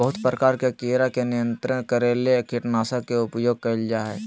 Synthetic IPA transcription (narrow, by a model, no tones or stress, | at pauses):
bəɦʊt̪pɾəkaːɾkekeɾakenɪjə̃nt̪ɾənkəɾeːlekiʈnaːsakeʊpjoːɡ̚kɐld͡ʒaːɦɛː